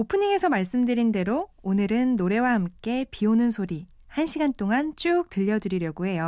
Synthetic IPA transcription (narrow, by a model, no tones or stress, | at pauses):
opʰɯɲiŋe̞sʰʌmaɭs͈ɯmdɯɾinde̞ɾoonɯɾɯnːoɾe̞wahamk͈e̞pionɯnsʰoɾi | hanɕʰiɡant͈oŋant͡ɕ͈uk̚tɯʎːʌdɯɾiɾjʌɡoɦe̞jo